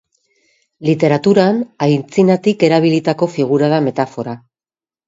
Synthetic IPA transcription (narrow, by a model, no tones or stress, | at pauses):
lit̪e̞ɾat̪uɾanajnt͡sinat̪ike̞ɾaβ̞ilit̪ako̞fiɣ̞uɾaðame̞t̪afo̞ɾa